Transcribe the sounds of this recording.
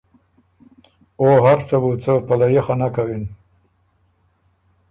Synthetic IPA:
oɦaɾt͡sabut͡səpalajexanakawin

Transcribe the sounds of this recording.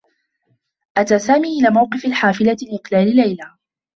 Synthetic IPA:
ʔat̪aːsaːmiːʔɪlaːmawqɨfalħaːfɪlaɪqlaːlɪlajla

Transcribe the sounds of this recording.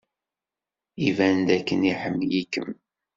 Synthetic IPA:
ivænd̪ækːəniħəmːjikːə̰m

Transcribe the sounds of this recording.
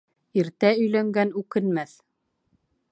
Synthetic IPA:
iɾt̪æɵ̆jlæŋɡænʉkɘ̆nmæθ

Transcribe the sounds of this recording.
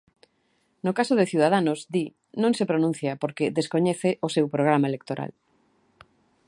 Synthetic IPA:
nʊkasoðeθjuð̞aðanʊzd̪i | nõŋsepɾonũn̟θjapoɾkeðeskoɲeθeʔosewpɾoɣ̞ɾamaelek̚t̪oɾa̰l

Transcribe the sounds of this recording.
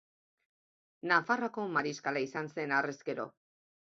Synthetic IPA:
nafarako̞maɾiskalaisanse̞nareske̞ɾo̞̰

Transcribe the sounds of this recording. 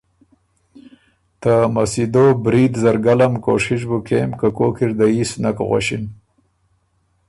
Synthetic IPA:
t̪amasid̪obɾid̪zaɾɡalamko̰ʂiʃ̬bukeːmkakokiɾd̪aisnakɣa̰ʃin

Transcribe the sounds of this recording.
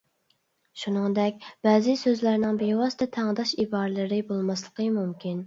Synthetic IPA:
ʃunɨŋd̪ɛk̚ʲbæːzɪsøzlæɾnɪŋbewɑst̪ɛt̪ʰæŋd̪ɑʃibɑɾɨlˠɨɾɪbolˠmɑslˠəqʰəmumkʲin

